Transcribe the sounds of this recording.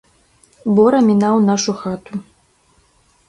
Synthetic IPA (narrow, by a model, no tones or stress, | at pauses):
bɔɾɐmʲinawnaʂuxat̪u